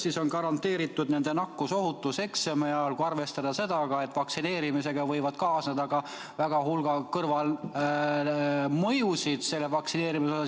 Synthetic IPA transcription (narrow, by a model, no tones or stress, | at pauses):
siso̞nkɑɾɑnt̪ːˑe̞ːɾit̪ːˑud̪ne̞nd̪̥e̞nɑkːuso̞ɦut̪ːˑuse̞ksemeɑlkuɑrve̞st̪ɑd̪̥ɑse̞d̪ɑɡ̥ɑe̞t̪ːˑvɑksine̞ːɾimise̞ɡ̥ɑvɤ̞jvɑd̪̥̚kɑːsned̪ɑɡ̥ɑ | væɡ̥ɑɦulɡ̥ɑkɤrvɑl | mɤjusid̪̥se̞lːevɑksine̞ːɾimisosɑ